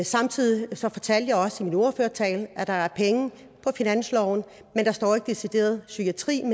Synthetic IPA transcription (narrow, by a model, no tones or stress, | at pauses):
sɑ̈mt͡sʰið̰ˠisɒ̽fɒ̽t͡sʰæl̰d̥jɑɪɒ̽səimino̝ɐføɐt͡sʰɛ̰ːlʔæd̥ɑ̈æɐpʰeŋə | pʰɒ̽finæn̰slɒʊn | mend̥ɑ̈sd̥ɒ̰ːe̝ɡ̥əd̥e̝sid̥e̝̰ːɐð̞ˠsyɡ̥iæt͡sʰʁḭːm